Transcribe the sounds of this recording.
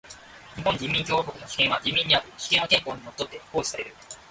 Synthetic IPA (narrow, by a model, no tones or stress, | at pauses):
ɲ̟iɦõɲ̟d͡ʑĩmːʲĩŋkʲoːɦokɯ̟no̞çʲi̥kẽ̞ɰ̃βad͡ʑĩmːʲĩɲ̟ːiaɾɯ̟çʲi̥kẽ̞ɰ̃akẽ̞ŋkoːɲ̟imot̪ːo̞t̪ːe̞ko̞ːçisaɾe̞ɾɯ̟